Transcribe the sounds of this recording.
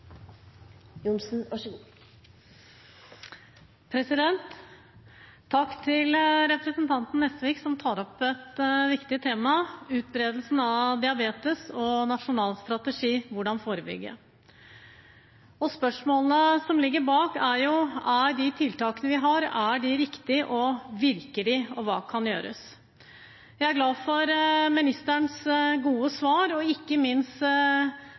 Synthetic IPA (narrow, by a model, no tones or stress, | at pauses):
jʊnsn̩ʋɑʂu | pʰɾɛsɪd̪ɛnt̪ | ɑkːt̪ʰɪlɾɛpɾɛsənt̪ʰɑnt̪n̩ːɛst̪əʋiːksɔmt̪ʰɑːɾɔpɛt̪ʋɪkt̪ɪt̪ʰeːmɑʉːt̪̚bɾeːd̪l̩sn̩ɑd̪ɪɑbeːt̪əsɔnɑʂʊnɑːlst̪ɾɑt̪əʂiːʋʊɖɑnfoːɾəbʏ̰ɡːə̰ | ɔspœʂmoːlənəsɔmlɪɡːəɾbɑːkæɾjʊæɾɖɪt̪ʰɪlt̪ɑːkənəʋɪɦɑɾæɖɪɾɪkt̪ɪʔɔʋɪɾkəɖɪɔʋɑ̰ːkʰɑnjøːɾə̰s | jæɪæɾɡlɑːfɔɾmɪnɪst̪æɳsɡuːəsʋɑːɾɔɪkːəmɪnst̪